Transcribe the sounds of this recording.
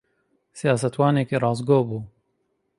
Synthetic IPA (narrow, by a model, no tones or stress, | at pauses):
sijaːsɐt̪wɑːneːkiɾˤɑːzɡoːbuː